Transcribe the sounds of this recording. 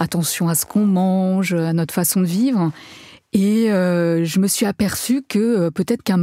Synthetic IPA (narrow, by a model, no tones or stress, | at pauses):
at̪ɑ̃sjɔ̃asə̥kʰɔ̃mɑ̃ʒøanɔt̪χfasɔ̃d̪əvivʁ | eøʒəməsɥiapɛʁsykəøpøt̪ɛt̪χəkɛ̃m